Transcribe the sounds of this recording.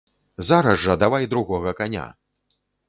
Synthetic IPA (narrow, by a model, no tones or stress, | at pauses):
zaɾɐzʐɐd̪avajd̪ɾuɣɔɣɐkanʲa̰